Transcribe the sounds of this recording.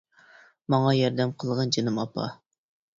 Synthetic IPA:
mɑɴɑjɑɾd̪ɛmqʰəlˠʁɑnd͡ʒenɨmɑpʰɑ̰

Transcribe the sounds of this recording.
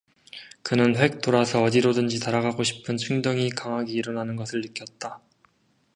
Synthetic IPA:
kɯnɯnɸwe̞k̚t͈oɾasʰʌʌdiɾodɯnd͡ʑitaɾaɡaɡoɕʰi̥pʰɯnt͡ɕʰuŋdʌŋikaŋɦaɡeiɾʌnanɯnɡʌsʰɯɭːɯk͈jʌt̚t͈a

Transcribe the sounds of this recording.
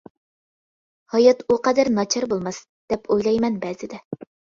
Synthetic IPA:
hɑjɑt̪uqɑd̪æɾnɑt͡ʃʰɑɾbolˠmɑs | d̪̥ɛpʰojlˠɑjmɛnbɛzɪd̪ɛ

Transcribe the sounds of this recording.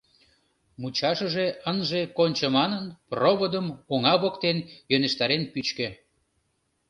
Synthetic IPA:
mut͡ɕɑʃəʒeənʒekonʲt͡ɕəmɑnənproβod̪əmoŋɑβokt̪enjøneʃt̪ɑɾenpyt͡ɕkø̆

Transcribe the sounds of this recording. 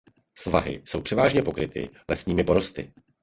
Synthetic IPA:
sva̰ɦɪ̰so̞wpr̥ɛvaːʒɲɛpo̞kɾɪt̪ɪ̰lɛsɲiːmɪpo̞ɾo̞st̪ɪ̰

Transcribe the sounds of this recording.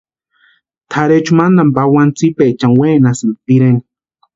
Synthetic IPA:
t̪ʰaɾet͡ʃumand̪ambawant͡sipet͡ʃaŋweːnasamt̪iɾeni̥

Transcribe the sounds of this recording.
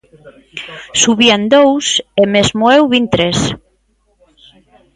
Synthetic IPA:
suβiand̪owsemezmoewβint̪ɾes

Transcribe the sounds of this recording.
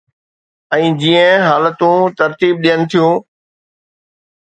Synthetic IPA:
ɛ̃ːd͡ʑiːə̃ɦaːlət̪ũt̪ɐɾt̪iːb̚ɗijənɪ̆t̪ʰijũː

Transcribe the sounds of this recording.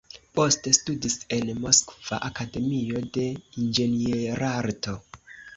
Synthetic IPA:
po̞ste̞studise̞nmo̞skv̥a̰ʔakade̞mio̞de̞ind͡ʒe̞nieɾaɾto̞

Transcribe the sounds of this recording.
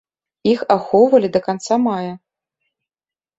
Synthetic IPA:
ixaxɔwvɐlʲid̪ɐkant̪samajɐ

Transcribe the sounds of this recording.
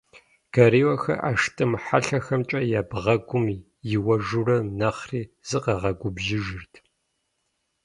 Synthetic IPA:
kʰɐɾiːwɐxɐ̰ʔaʂtʼɨmħaɬɐxɐmt͡ʃʼɐjaːbʁɐɡʷʊmiː | jɪwɐʒurɐnɐχriːz̥ɨqɐʁɐɡʷʊbʒɪʒɪrtʰ

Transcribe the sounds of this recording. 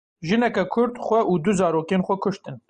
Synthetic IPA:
ʒɨnɛkɛkʰʊɾd̪xʷɛʔuːd̪ʊzɑːɾoːkeːnxʷɛkʰʊʃt̪ɨn

